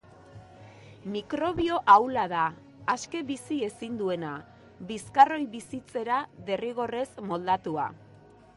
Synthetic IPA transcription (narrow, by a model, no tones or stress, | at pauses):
mikɾo̞βio̞ʔawlaðaː | ske̞βisie̞sind̪ue̞na | βiskaro̞jβisit͡se̞ɾaðe̞riɣ̞o̞re̞zmo̞ld̪at̪ua̰